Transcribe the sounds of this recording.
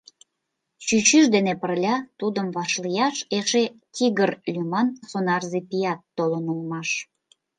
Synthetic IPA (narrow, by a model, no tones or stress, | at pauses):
t͡ɕyt͡ɕyʃd̪enepərlʲɑt̪ud̪əmβɑʃlijɑʃeʃet̪ʲiɣərlʲymɑnsonɑrzepijɑt̪ːolənulmɑʃ